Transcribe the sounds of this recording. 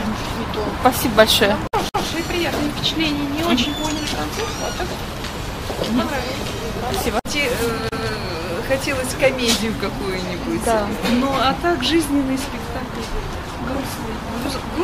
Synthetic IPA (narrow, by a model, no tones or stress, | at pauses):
spɐsʲibəbɐlʲʂojəɐxɐɾoʂɨjɪpɾʲɪjat̪nɨjəfʲpʲɪ̥t͡ɕɪ̥t̪lʲenʲɪjənʲɪot͡ɕɪnʲpolʲnɨjt̪ɾɐnt̪urt̪ɐt̪ak | ɐkɾavʲɪ | pɐsʲibətʲe | xɐtʲelˠəsʲkɐmʲedʲɪjʊkɐkujʊnʲɪbʊt̪ʲnoɐt̪akʐɨzʲnʲɪnːɨjspʲɪkt̪aklʲ | ɡɐsvʲe